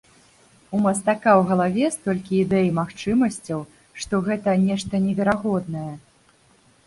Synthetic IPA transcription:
umɐst̪akawɣɐlˠavʲɛst̪ɔlʲkʲiːd̪ɛjimaxt͡ʂɨmɐsʲt͡sʲɐw | ʂt̪ɔɣɛt̪ɐnʲɛʂt̪ɐnʲɛvʲɛɾaɣɔd̪nɐjɛ

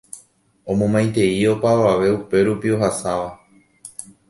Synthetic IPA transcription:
õmõmãj̃t̪e̞io̞paʋaʋe̞upe̞ɾupio̞ɦasaʋa

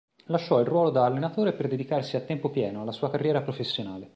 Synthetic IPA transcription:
laʃːɔilrwɔːlod̪aːlːenat̪oːɾeperd̪ed̪ikarsiat̪ːɛmpopjɛːnoalːasuːakarːjɛːɾapɾofesːjonaːle

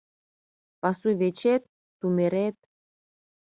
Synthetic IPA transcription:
pɑsujβet͡ɕet̪̚ː | umeɾet̪̚

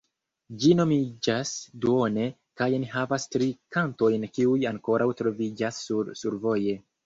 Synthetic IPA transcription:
d͡ʒino̞mid͡ʒasduo̞ne̞ | kajniɦavastɾikanto̞jnkiujaŋko̞ɾʔawtɾo̞vid͡ʒasːuɾsuɾvo̞je̞

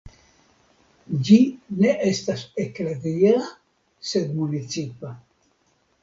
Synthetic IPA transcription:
d͡ʒineʔest̪asekledia | sed̪munit͡sipa

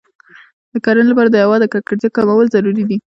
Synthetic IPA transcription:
d̪̥əkɑɾanlapɑɾad̪əjawɑd̪əkak̚laɾt̪akɑmawəlzaɾuɾid̪i

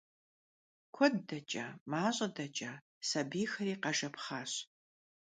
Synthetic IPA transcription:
kʷʰɔdːɐt͡ʃʼɐ̰maːɕʼɐdɐt͡ʃʼɐ | sɐbiːxɐɾiːqɐʒɐpχaːɕ

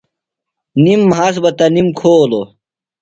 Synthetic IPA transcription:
nimːɦaːs̬bɐt̪ɐnimkʰoːlo

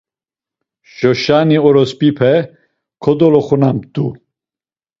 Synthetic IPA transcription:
ʃɔʃaniɔɾɔspipʰɛ | kʰɔd̪ɔlɔχunamd̪̥u

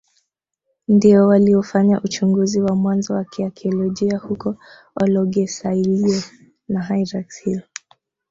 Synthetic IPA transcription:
ndiɔwaliɔfaɲaʔut͡ʃuŋɡuziwamwanzɔwakiakiɔlɔʄiahukɔ | ɔlɔɡɛsailiɛ | naɦajɾakshiɔ

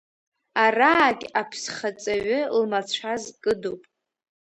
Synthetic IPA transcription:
araːkʲapʰsχat͡sʼaɥɨlmat͡ɕʷʰazkʼɨdowpʼ

